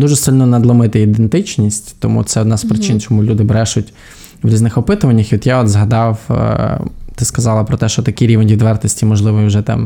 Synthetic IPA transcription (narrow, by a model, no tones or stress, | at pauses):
d̪uʒɛsɪlʲnɔnɐd̪lˠɔmɪt̪ɪid̪ent̪ɪt͡ʃnʲisʲtʲt̪ɔmṵt̪sɛɔd̪naspɾɪt͡ʃɪnt͡ʃɔmulʲud̪ɪbɾɛʃʊtʲ | ʋɾʲiznɪxɔpɪt̪ʊʋɐnʲːɐxʋit̪jaɔd̪zɦɐd̪ɑw̰ | t̪ɪskɐzɑlˠɐpɾɔt̪ɛʃt͡ʃɔt̪ɐkiɾʲiʋenʲʋʲid̪ʋɛrt̪ɔsʲtʲimɔʒlˠɪʋɔiwʒɛt̪ɑ̰m